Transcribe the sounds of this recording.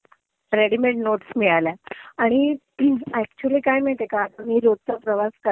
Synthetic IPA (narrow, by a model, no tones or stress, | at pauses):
ɾeɽimeɳʈnoʈsmiɭaljaaɽ̃i | æk̚t͡ɕuəliːkajmiɭt̪ekaːt̪amiːɾod̪̚t͡sapɾəʋaskə